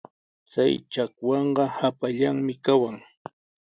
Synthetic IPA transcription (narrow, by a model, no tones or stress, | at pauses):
t͡sajt͡ʃakwɑɴɢɑhapaʎaŋmɪkawaŋ